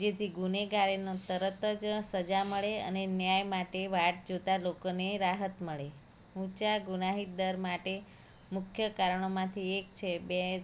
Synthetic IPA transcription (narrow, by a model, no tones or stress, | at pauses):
d͡ʒet̪ʰiɡuneɡaɾenot̪əɾət̪əd͡ʒsəd͡ʒaməɭeə̰nenjajmaʈeʋaʈ̚d͡ʒot̪alokoneɾaɦət̪məɭe | ũt͡ʃaɡunaɦit̪̚d̪əɾmaʈe | mʊkʰjəkaɾəɳ̃omãt̪ʰiek̚t͡ʃʰebe